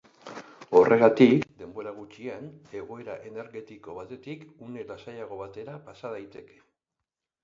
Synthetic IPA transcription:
o̞rʔe̞ɣat̪ikd̪e̞mbo̞ɾaɣ̞ut͡ʃiane̞ɣ̞o̞e̞ɾaʔe̞ne̞ɾɣe̞t̪iko̞βat̪e̞t̪ikune̞lasajaɣ̞o̞βat̪e̞ɾapasað̞ajt̪e̞ke̞̥

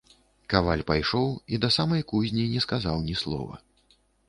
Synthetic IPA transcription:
kavalʲpajʂɔwid̪ɐsamɐjkuzʲnʲinʲɛskazawnʲislˠɔ̰vɐ̰

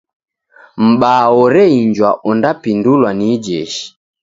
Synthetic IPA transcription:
m̩ɓaːɔɾɛiɲd͡ʒwaʔɔndapindulwanid͡ʒɛʃi̥

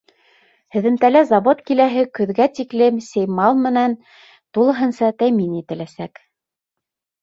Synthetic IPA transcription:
hɘ̆ðɘ̆mt̪ælæzɑβot̪kilæɦɘkɵ̆ðɡæt̪iklɘmsɘjmɑlˠmɘ̆næn | t̪ulˠɤ̆ɦɤ̆nsɑt̪æminit̪ɘ̆læsæk

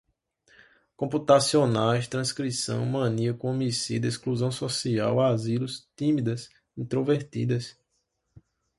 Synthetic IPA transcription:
kõput̪asionajst̪ɾɐ̃skɾisɐ̰̃w̃mɐ̃niɐkõomisid̪ɐiskluzɐ̃w̃sosia̰wazilust̪ĩmid̪ɐs | ĩt̪ɾoveɾt̪ḭd̪ɐs

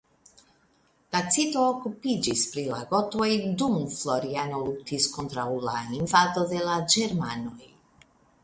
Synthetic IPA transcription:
dat͡sitoːkupid͡ʒispɾila̰ɡo̞to̞jdumflo̞ɾiano̞lutisko̞nt̪ɾawlaiɱvad̪o̞d̪e̞lad͡ʒeɾmano̞j

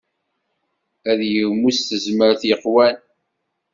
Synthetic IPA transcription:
æðjəwmusθəzməɾθjəqwæn

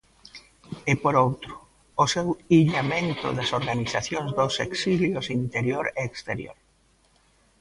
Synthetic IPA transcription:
ɪpoɾowt̪ɾʊː | sewiʎamẽnt̪ʊ̰ðɐsoɾɣaniθaθjoŋzd̪oseksiljʊsint̪eɾjoɾeːkst̪eɾjo̰ɾ

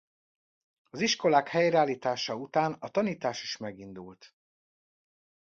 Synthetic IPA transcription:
ɒziʃko̞laːkhɛjrɛaːliːt̪aːʃɒut̪aːnɒt̪ɒniːt̪aːʃiʃmɛɡind̪ult̪

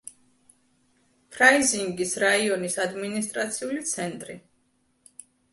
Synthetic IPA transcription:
pʰɾaiziŋɡisɾaiɔnisad̪minist̪ʼɾat̪sʰiulit̪sʰɛnt̪ʼɾi

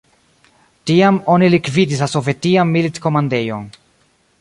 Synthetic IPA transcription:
tiamo̞nilikvid̪is̬laso̞ve̞tiamːilit̪ko̞mandejon

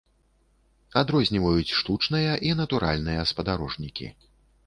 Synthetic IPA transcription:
ad̪ɾɔzʲnʲivɐjut͡sʲʂt̪ut͡ʂnɨjɐʔinɐt̪uɾʔa̰lʲnɨjɐspɐd̪aɾɔʐnʲikʲḭ

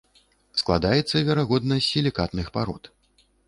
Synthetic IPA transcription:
sklˠa̰d̪ajɛt̪sːɐvʲɛɾaɣɔd̪nɐsʲilʲikat̪nɨxpaɾɔ̰t̪

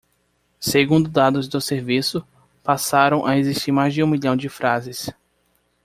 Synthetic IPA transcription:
seɡũnd̪ʊd̪ad̪ʊzd̪ʊseɾvisʊ | pasaɾɐ̃w̃ʔaeziʃt͡ʃiɾmajzd͡ʒɪũmiʎɐ̃w̃d͡ʒɪfɾazɪs

